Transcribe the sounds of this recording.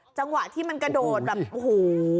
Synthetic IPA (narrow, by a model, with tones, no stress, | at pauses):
t͡ɕa˧ŋwa˨˩ʔt̪ʰiː˥˩ma˧nka˧doː˨˩t̪̚bɛː˨˩p̚ʔo˧huː˨˩˦